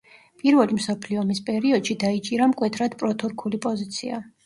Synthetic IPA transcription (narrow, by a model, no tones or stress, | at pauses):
pʼiɾvɛlimsɔpʰliɔmispʼɛɾiɔd̪ʃid̪ait͡ʃʼiɾamkʼwɛt̪ʰɾad̪pʼɾɔt̪ʰuɾkʰulipʼɔzit̪sʰia